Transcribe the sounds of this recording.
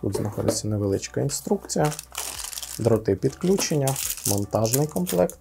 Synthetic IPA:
t̪ṵt̪znʔɐxɔ̰d̪ɪt͡sʲːɐneʋelˠɪt͡ʃkɐinst̪ɾukt͡sʲijɐ | d̪ɾɔt̪ɪpʲid̪klʲut͡ʃenʲːɐmɔnt̪ɑʒnɪjkɔmplˠɛkt̪

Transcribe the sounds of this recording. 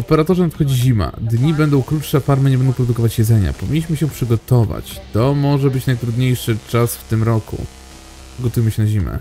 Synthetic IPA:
ɔpɛɾat̪ɔʐanat̪kɔd͡ʑiʑima̰d̪ɲibɛnd̪ɔ̃w̃kɾutʂɛafaɾmɘɲɛbɛnd̪ɔ̃w̃pɾɔd̪ukɔvat͡ɕjɛd̪zɛɲa̰pɔvʲiɲːʲiɕmɘɕɛpʂɘɡɔt̪ɔva̰t͡ɕt̪ɔmɔʐɛbɘt͡ɕnajt̪ɾud̪ɲejʂɘt͡ʂasft̪ɘmɾɔkṵ | ɡɔt̪ujmɘɕɛnaʑimɛ̰

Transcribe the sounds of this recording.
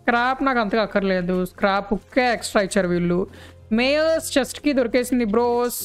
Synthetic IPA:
skɾaːpnaːkɐnt̪ɐkɐkːɐɾle̞ːd̪uskɾaːpɔkːeːeksʈɾaːit͡ʃːaːɾuʋiɭːu | meːjst͡ʃesʈkid̪oɾɐkeːsind̪ibɾoːs

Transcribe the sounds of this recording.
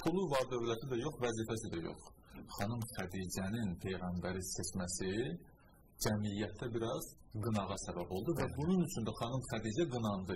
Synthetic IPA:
pʰulˠuvɑɾd̪ø̞vlæt̪ʰid̪æjo̞χvæziːfæsid̪æjo̰χχɑnumχæd̪iːd͡ʒæninpʰe̞jɣæmbæɾiset͡ʃmæsi | d͡ʒæmijːæt̪ʰːæbiɾɑz̥ɡɯnɑʁɑsæbæbo̞lˠd̪uvæbununyt͡ʃʰynd̪æχɑnumχæd̪iːd͡ʒæɡɯnɑnd̪ɯ

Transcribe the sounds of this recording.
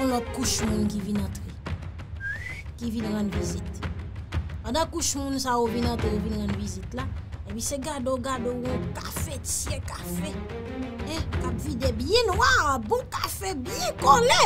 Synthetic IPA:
ɔ̃lɔt̪̚kuʃmũnkivinãt̪ʁe | kivinɣãnvizit̪ | pãdãkuʃmũnsaovinãt̪ɣeovinɣãnvizit̪laepiseɡadoɡadouɔ̃kafetjɛ̃kafɛ | ɛ̃kapvidebjɛ̃nwabũkafebjɛ̃kɔlɛ

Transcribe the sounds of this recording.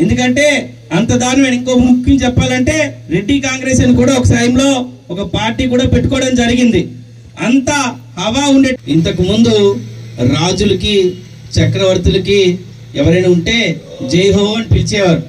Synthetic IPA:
end̪uk̬ɐɳʈe̞ː | ɐnt̪ɐd̪aːɾnɐɐniŋkoːpimukʰːjimt͡ʃɛpːaːlɐɳʈe̞ːɾe̞ɖːiːkaːŋɡɾeːsɐnikuːɽaːɔkɐʈɐjɐmlo̞ː | ɔkɐpaːɾʈiːkuːɽaːpe̞ʈːu̥kɔːɽɐmd͡ʒɐɾiɡind̪i | ɐnt̪ɐ | hɐʋaːuɳɖeint̪ɐk̬imund̪uɾaːd͡ʒulɐki | t͡ʃɐkɾɐʋɐɾt̪ulɐki | ɛʋɐɾɐjnaːuɳʈe̞ː | d͡ʒejɦoːɐnipilit͡ʃɛːʋaːɾu

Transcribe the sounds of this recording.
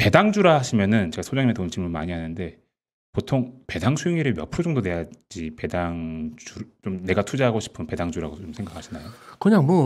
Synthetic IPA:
pe̞daŋd͡ʑuɾaɦaɕʰimjʌnɯnt͡ɕeɡasʰod͡ʑaŋɲimetont͡ɕʰimɯma̰ɲiɦanɯnde̞ | potʰoŋpe̞daŋsʰujiŋiɾɯmjʌpʰud͡ʑʌŋdone̞ad͡ʑipe̞daŋd͡ʑuɾt͡ɕomne̞ɡatʰud͡ʑaɦaɡoɕʰi̥pʰɯmpe̞daŋd͡ʑuɾaɡot͡ɕomsʰe̞ŋɡakʰaɕʰinajokɯɲaŋmwʌ

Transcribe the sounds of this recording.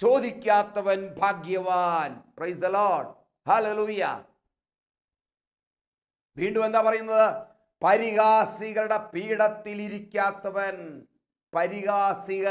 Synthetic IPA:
t͡ɕo̞ːd̪ʱikʲːaːt̪ːɐʋɐnbʱaːɡjɐʋaːnprejsd̪ɐloːɖ | haleluːjɐ̰ | ʋiːɳɖumend̪aːpɐrɐjunːɐðɨ | pɐɾiɣaːsiɣɐɭuɽe̞piːɽɐt̪ːiliɾikʲːaːt̪ːɐʋɐn | pɐɾiɣaːsiɣɐ

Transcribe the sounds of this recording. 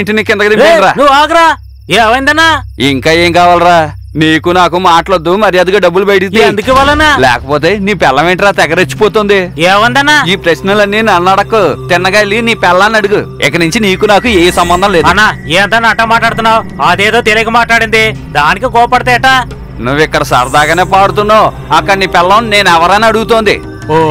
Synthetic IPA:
ɳʈiniːkɪnd̪ɐkɐd̪imːɾaːnuʋaːɡɐɾaː | eːʋɐjind̪ɐnːaiŋkaːjeːŋkaːʋaːlɾaː | niːkunaːkumaːʈɐlɐd̪ːumɐɾijɐd̪uɡaːɖɐbːulubɐjʈid̪iend̪ukiʋalːɐnalɛ̰ːkɐpoːt̪e̞ːniːpɛlːɐʋeɳʈɾaːt̪ɛɡɐɾet͡ʃːu̥pɔːt̪ond̪ieːʋɐnd̪ɐnːaːiːpɾesnɐlɐnːinɐnːɐɽɐkːut̪ɪnːɐɡaːeliniːpɛlːaːnɐɽuɡuɪ̰kːɐnuɲt͡ʃiniːkunaːkueːisɐmbɐnd̪ʱɐ̃mleːdɐnːaeːɐnt̪aːnaʈːaːmaːʈlaːɽt̪unːaːwɐd̪eːd̪o̞ːt̪eliɡɐmaːʈlaːɽind̪id̪aːnikikɔːpɐɽit̪aːjɐʈa | nuʋːɪkːɐɽɐsɐ̰ɾd̪aːɡɐneːpaːɽut̪unːaːw | ɐkːɐɐniːpɛlːɐnne̞ːnɛʋɐɾɐjnaːɐɽuɡut̪oːnd̪ḭ | o

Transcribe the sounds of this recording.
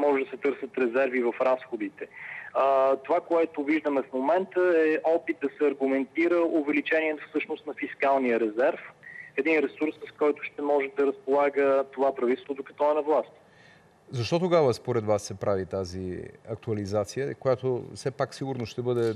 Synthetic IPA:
mɔʒɛd̪ɐsɛt̪ɤɾsət̪ɾɛzɛɾvivɐfɾasxod̪it̪ɛ | t̪ovakoɛt̪oviʒd̪əmɛfmomɛnt̪əɛʔɔpit̪̚d̪ɐsɛɐɾɡʊmɛnt̪iɾəʊvɛlit͡ʃɛniɛt̪fsɤʃnʊst̪nɐfiskalˠnijəɾɛzɛɾfɛd̪inɾɛsuɾsəskɔjt̪ʊʃt̪ɛmɔʒɛd̪ɐɾəspolˠaɡət̪ovapɾɐvit̪ɛst̪vod̪okɐ̥t̪ɔɛnɐvlˠast̪ | zɐʃt̪ɔt̪oɡavəspoɾɛd̪vasːɛpɾavit̪azḭɐk̚t̪uɐlizat̪sijəkojat̪osɛpaksiɡʊɾnosʃt̪ɛbɤd̪ɛ

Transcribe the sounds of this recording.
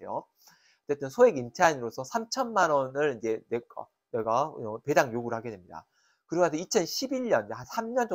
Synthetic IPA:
ejo̰ | ʌt͡ɕ͈ːe̞t͈ɯnsʰoeɡintʰainɯɾosʰʌsʰamt͡ɕʰʌnmanwʌnɯɭid͡ʑe̞nek͈ʌ̰ | neɡape̞daŋjoɡuɾɯɭhaɡe̞demɲida̰ | kɯɾʌmas̬ʰʌit͡ɕʰʌnɕʰibiɭɲʌnd͡ʑehansʰamɲʌnd͡ʑʌ

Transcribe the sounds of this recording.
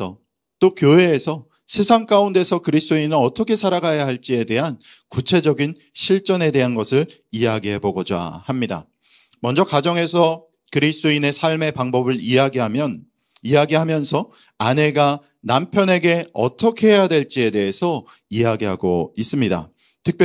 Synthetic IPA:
ʌ | t͈okjoɦe̞ːsʰʌ | sʰe̞sʰaŋk͈aunde̞sʰʌkɯɾist͈oinɯɾʌt͈ʰʌkʰe̞sʰaɾaɡajaɦaɭt͡ɕ͈ie̞de̞ɦankut͡ɕʰe̞d͡ʑʌɡin | ɕʰiɭt͡ɕ͈ʌne̞de̞ɦanɡʌsʰɯɭ | iaɡiɦe̞boɡod͡ʑa̰hamɲida̰ | mʌnd͡ʑʌkad͡ʑʌŋe̞sʰʌ | kɯɾist͈oine̞sʰaɭme̞paŋbʌbɯɭiaɡiɦamjʌ | iaɡiɦamjʌnsʰʌ | ane̞ɡa | nampʰjʌne̞ɡe̞ʌt͈ʰʌkʰe̞ɦe̞jadwe̞ɭt͡ɕ͈ie̞de̞ɦesʰʌ | iaɡiɦaɡo̰is͈ɯmɲida̰ | tʰɯk̚pj

